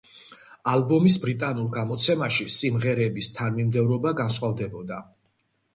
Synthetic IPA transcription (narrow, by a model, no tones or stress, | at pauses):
albɔmisbɾit̪ʼanulˠɡamɔt̪sʰɛmaʃisimʁɛɾɛːbist̪ʰanmimd̪ɛvɾɔbaɡansχwavd̪ɛbɔd̪a